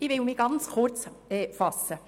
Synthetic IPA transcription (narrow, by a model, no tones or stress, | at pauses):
ɪʋɪlmɪɡ̥ɑnt͡sχʊrt͡sɛːfɑsːə